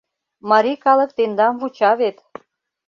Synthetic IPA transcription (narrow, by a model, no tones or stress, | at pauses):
mɑɾikɑlə̆k̚t̪end̪ɑmβut͡ɕɑβet̪